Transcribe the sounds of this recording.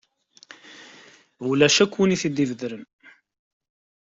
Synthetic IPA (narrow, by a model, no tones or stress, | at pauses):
ulæʃækːwiniθid̪ːivəðɾəm